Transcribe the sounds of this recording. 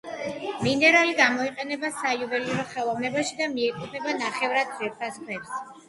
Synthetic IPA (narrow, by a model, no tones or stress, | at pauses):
minɛɾaliɡamɔiqʼɛnɛbasajuvɛliɾɔχɛlˠɔvnɛbaʃid̪amiɛkʼɔpʰnɛbanaχɛvɾad̪̚viɾpʰaskʰwɛps